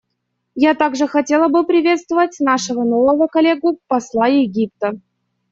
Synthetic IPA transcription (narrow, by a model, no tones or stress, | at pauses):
jat̪aɡʐɨxɐtʲe̞lˠəbɨpɾʲɪvʲe̞t̪st̪vəvətʲnaʂɨvənovəvəkɐlʲeɡʊpɐslˠaɪɡʲip̚t̪ə